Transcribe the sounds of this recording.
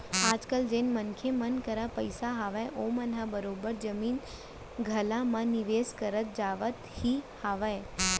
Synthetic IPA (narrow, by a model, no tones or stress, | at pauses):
ad͡ʒkəld͡ʒenmənkʰemənkəɾapəjsaɦaʋajʔomənɦãbəɾobəɾd͡ʒəmin | ɡʱəlãmãniʋeskəɾət̪̚d͡ʒaʋət̪hihaʋaj